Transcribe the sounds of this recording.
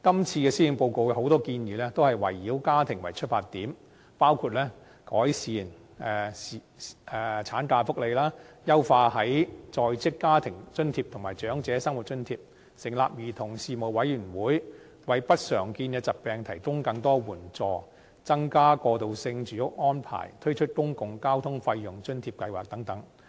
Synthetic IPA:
kɐ˥mt͡sʰiː˧kɛː˧siː˥ji˨˧npo˧wko˨˧wkɛ˧ho˨˥wt̪ɔː˥kiː˧njiː˨˧lɛː˥t̪o˥whɐ˨jwɐ̰˨˩jːiː˨˥wkaː˥t̪ʰɪ˨˩ŋwɐ˨˩jt͡ʃʰɵ˥t̚faː˧tt̪ːiː˨˥m | paː˥wkʰuː˨˧t̚lɛː˥ | kɔː˨˥jsiː˨˩n | ɛ˨si˨ | ɛ˨˩t͡sʰaː˨˥nkaː˧fʊ˥k̚le˨jlaː˥jɐ˥wfaː˧hɐ˨˥jt͡sɔː˧jt͡sɪ˥kːaː˥t̪ʰɪ˨˩ŋt͡sɵ˥nt̪ʰiː˧p̚t̪ʰʊ˨˩ŋmaː˨jt͡ʃœː˨˥ŋt͡sɛː˨˥sɐ˥ŋwu˨˩t̚t͡ʃɵ˥nt̪ʰiː˧p̚ | sɪ˨˩ŋla̰ː˨p̚jiː˨t̪ʰʊ˨˩ŋsiː˨˧mo˨˩wwɐ˨˥jyː˨˩nwuː˨˥j | wɐ˨jpɐ˥t̚sœː˨˩ŋkiː˧nkɛː˧t͡sɐ˨t̚pɛː˨ŋt̪ʰɐ˨˩jkʊ˥ŋkɐ˧ŋt̪ɔː˥wuː˨˩nt͡sɔː˧ | t͡sɐ˥ŋkaː˥kɔː˧t̪o˨wsɪ˧ŋt͡ʃyː˨˩jʊ˥k̚ŋɔː˥npʰa̰ː˨˩jt̪ʰɵ˥ɥt͡ʃʰɵ˥t̚kʊ˥ŋkʊ˨ŋkaː˥wt̪ʰʊ˥ŋfɐ˧jːʊ˨˩ŋt͡ʃɵ˥nt̪ʰiː˧p̚kɐ˧jwaː˨k̚t̪ɐ˨˥ŋt̪ɐ˨˥ŋ

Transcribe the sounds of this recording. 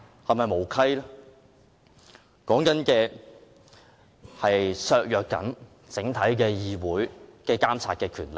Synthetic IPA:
hɐ˨jmɐ˨jmo˨˩wkʰɐ˥j | kɔː˨˥ŋkɐ˨˥nkɛː˧ | hɐ˨jsœː˧k̚jœː˨k̚ːɐ̰˨˥n | t͡sɪ˨˥ŋt̪ʰɐ˨˥jkɛː˧jiː˨˧wuː˨˥jkɛː˧kaː˥mt͡sʰaː˧t̚kɛː˧kʰyː˨˩nle˨˩k̚

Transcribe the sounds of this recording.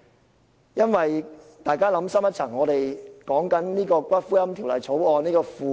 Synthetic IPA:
jɐ˥nwɐ˨j | t̪aː˨jkaː˥lɐ˨˥msɐ˥mjɐ˥t̚t͡sʰɐ˨˩ŋːɔː˨˧t̪e˨˩jkɔː˨˥ŋkɐ˨˥nniː˥kɔː˧kʷɐ˥t̚fuː˥jɐ˥mt̪ʰi˨˩wlɐ̰˨˩jt͡sʰo˨˥wɔː˧niː˥kɔː˧fuː˨˧

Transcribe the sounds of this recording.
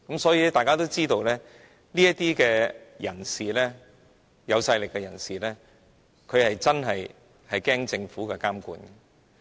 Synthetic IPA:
kɐ˨˥msɔː˨˥jiː˨˧lɛ˥t̪aː˨jkaː˥t̪o˥wt͡siː˥t̪o˧wlɛː˥ | liː˥jɐ˥t̪iː˥kɛː˧jɐ˨˩nsiː˨lɛː˥ | jɐ˨˧wsɐ˧jlɪ˨kːɛ˧jɐ˨˩nsiː˨lɛː˥ | kʰɵ˨˧ɥhɐ˨jt͡sɐ˥nɦɐ˨j | hɐ˨jkɛː˥ŋt͡sɪ˧ŋfuː˨˥kɛː˧kaː˥mkṵː˧nɛ˨

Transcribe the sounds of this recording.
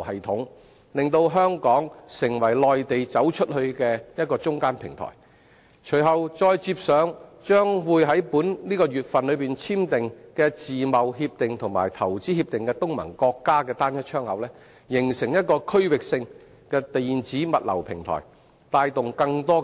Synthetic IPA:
hɐ˨jt̪ʰʊ˨˥ŋ | lɪ˨ŋt̪o˧wɦœː˥ŋkɔː˨˥ŋsɪ˨˩ŋwɐ˨˩jlɔː˨jt̪e˨jt͡sɐ˨˥wt͡ʃʰɵ˥t̚hɵ˧ɥkɛː˧jɐ˥t̚kɔː˧t͡sʊ˥ŋkaː˥npʰɪ˨˩ŋt̪ʰɔ̰ː˨˩j | t͡ʃʰɵ˨˩ɥɦɐ˨wt͡ʃɔː˧jt͡siː˧p̚sœː˨˥ŋt͡ʃœː˥ŋwuː˨˧jɦɐ˨˥jpuː˨˥nliː˥kɔː˧jyː˨˩t̚fɐ˨nlɵ˨˧ɥpiː˨nt͡sʰiː˥mt̪ɪ˨ŋkɛː˧t͡siː˨mɐ˨wɦiː˧p̚t̪ɪ˨ŋt̪ʰʊ˨ŋma̰ː˨˩jt̪ʰɐ˨˩wt͡siː˨˥hi˧p̚t̪ɪ˨ŋkɛː˧t̪ʊ˥ŋmɐ̰˨˩nkɔː˧kːaː˥kɛː˧t̪aː˥njɐ˥t̚t͡ʃʰœː˥ŋhɐ˨˧wlɛː˥ | jɪ˨˩ŋsɪ˨˩ŋjɐ˥t̚kɔː˧kʰɵ˥ɥwɪ˨k̚sɪ˧ŋ | kɛː˧t̪e˨jiː˨nt͡siː˨˥mɐ˨t̚lɐ̰˨˩wpʰɪ˨˩ŋt̪ʰɔ̰ː˨˩j | t̪aː˧jt̪ʊ˨ŋkɐ˧ŋt̪ɔː˥

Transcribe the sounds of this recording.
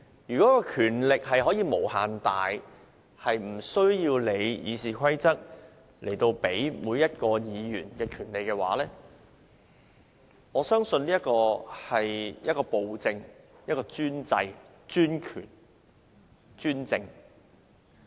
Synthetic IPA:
jyː˨kɔː˨˦˥kɔː˧kʰyː˨˩nlɪ˨k̚hɐ˨jɦɔː˨˥jiː˨˧mo˨˩whaː˨nt̪aː˨j | hɐ˨jm̩˨˩sɵ˥ɥjiː˧wle˨˧jjḭː˨˧siː˨kʰɐ˥jt͡sɐ˥k̚ | lʔe˨˩jt̪o˧wpe˨˥jmuː˨˧jjɐ˥t̚kɔː˧jiː˨˧jyː˨˩nkɛː˧kʰyː˨˩nle˨jkɛː˧wa̰ː˨˥lɛː˥ | ŋɔː˨˧sœː˥ŋsɵ˧nliː˥jɐ˥t̚kɔː˧hɐ˨jjɐ˥t̚kɔː˧po˨wt͡sɪ˧ŋ | jɐ˥t̚kɔː˧t͡ʃyː˥nt͡sɐ̰˧j | t͡ʃyː˥nkʰy̰ː˨˩n | t͡ʃyː˥nt͡sɪ˧ŋ

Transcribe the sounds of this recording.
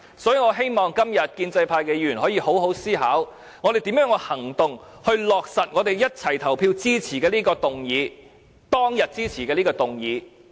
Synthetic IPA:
sɔː˨˥jiː˧ŋɔː˨˧ɦe˥jmɔː˨ŋkɐ˥mjɐ˨t̚kiː˧nt͡sɐ˧jpʰaː˧jkɛː˧jyː˨˩nhɔː˨˥jiː˧ho˨˥wɦo˨˥wsiː˥ɦaː˨˥w | ŋɔː˨˧t̪e˨jt̪i˨˥mjœː˨˥ŋho˧hɐ˨˩ŋt̪ʊ˨ŋ | hɵ˧ɥlɔː˨k̚sɐ˨t̚ŋɔː˨˧t̪e˨jjɐ˥t̚t͡sʰɐ˨˩jt̪ʰɐ˨˩wpʰiː˧wt͡siː˥t͡sʰiː˨˩kɛː˧liː˥kɔː˧t̪ʊ˨ŋjiː˨˧ | t̪ɔː˥ŋjɐ˨t̚t͡siː˥t͡sʰiː˨˩kɛː˧liː˥kɔː˧t̪ʊ˨˩ŋjiː˨˧

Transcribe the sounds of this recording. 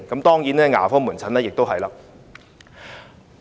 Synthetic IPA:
kɐ˨˥mt̪ɔː˥ŋjiː˨˥nɛː˥ŋa̰ː˨˩fɔː˥muː˨˩nt͡sʰɐ˨˥nɛː˥jɪ˨k̚t̪o˥wɦɐ˨jlaː˧˥

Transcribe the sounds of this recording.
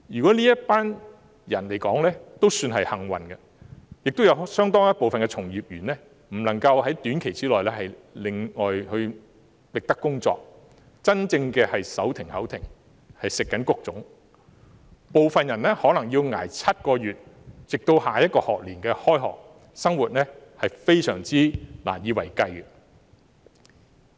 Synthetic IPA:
jyː˨˩kɔː˨˥liː˥jɐ˥t̚paː˥n | jɐ˨˩nle˨˩jkɔː˨˥ŋlɛː˥t̪o˥wsyː˧nɦɐ˨jhɐ˨˩ŋwɐ̰˨˩nɡɐ˧ | jɪ˨k̚t̪wjɐ˧˥wsœː˥ŋt̪ɔː˥ŋjɐ˥t̚po˨wfɐ˨nkɛː˧t͡sʰʊ˨˩ŋjiː˨˩p̚jyː˨˩nlɛ˥ | m̩˨˩lɐ˨˩ŋkɐ˧whɐ˨˥jt̪yː˨˥nkʰe˨˩jt͡siː˥lɔː˨jlɛː˥hɐ˨jlɪ˨˧ŋŋɔː˨jhɵ˧ɥ | lɪ˨k̚t̪ɐ˥kːʊ˥ŋt͡sɔ̰ː˨k̚ | t͡sɐ˥nt͡sɪ˧ŋkɛː˧hɐ˨jsɐ˨˥wt̪ʰɪ˨˩ŋhɐ̰˨˥wt̪ʰɪ˨˩ŋ | hɐ˨jsɪ˨kːɐ˨˥nkʊ˧k̚t͡sʊ˨˥ŋ | po˨wfɐ˨njɐ˨˩nɛ˥hɔː˨˥nɐ˨˩ŋjiː˧wŋa̰ː˨˩jt͡sʰɐ˥t̚kɔː˧jyː˨t̚t͡sɪ˨k̚t̪o˧whaː˨jɐ˥t̚kɔː˧hɔː˨k̚liː˨˩nkɛː˧hɔː˥jhɔ̰ː˨k̚ | sɐ˥ŋwuː˨t̚nɛ˥hɐ˨jfe˥jsœ̰ː˨˩ŋt͡siː˥la̰ː˨˩njiː˨˧wɐ˨˩jkɐ˧j

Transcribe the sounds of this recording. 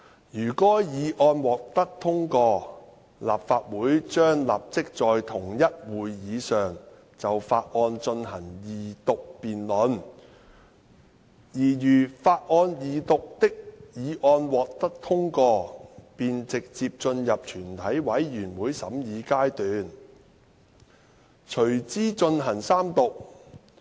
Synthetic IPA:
jyː˨˩kɔː˨˥jiː˨˧ʔɔː˧nwɔː˨k̚t̪ɐ˥k̚t̪ʰʊ˥ŋkɔː˧ | laː˨pfaː˧t̚wuː˨˥jt͡ʃœː˥ŋla̰ː˨p̚t͡sɪ˥k̚t͡sɔː˨jt̪ʰʊ˨˩ŋjɐ˥t̚wuː˨jːiː˨˧sœː˨ŋ | t͡sɐ˨wfaː˧t̚ʔɔː˧nt͡ʃɵ˧nhɐ˨˩ŋjiː˨t̪ʊ˨k̚piː˨nlɔ˨˧˥n | jiː˨˩jyː˨˩faː˧t̚ʔɔː˧njiː˨t̪ʊ˨k̚t̪ɪ˥k̚jiː˨˧ʔɔː˧nwɔː˨k̚t̪ɐ˥k̚t̪ʰʊ˥ŋkɔː˧piː˨nt͡sɪ˨k̚t͡siː˧p̚t͡ʃɵ˧njɐ˨p̚t͡ʃʰyː˨˩nt̪ʰɐ˨˥jwɐ˨˥jjyː˨˩nwuː˨˧jsɐ̰˨˧˥mjiː˨˧kaː˥jt̪yː˨n | t͡ʃʰɵ˨˩ɥt͡siː˥t͡ʃɵ˧nɦɐ˨˩ŋsaː˥mt̪ʊ˨k̚

